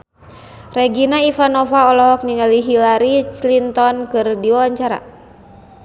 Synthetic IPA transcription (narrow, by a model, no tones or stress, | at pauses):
rɛɡinaifanɔfaɔlɔɦɔk̚niŋaliɦilaɾit͡ʃlint̪ɔnkɨrdiwawaɲt͡ʃaɾa̰